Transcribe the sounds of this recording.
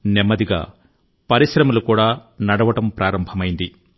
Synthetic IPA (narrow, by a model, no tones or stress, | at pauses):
nemːɐd̪iɡa̰ː | pɐɾiʃɾɐmɐlukuːɽaːnɐɽɐʋɐʈɐmpɾʔaːɾɐmbʱɐmɐjind̪i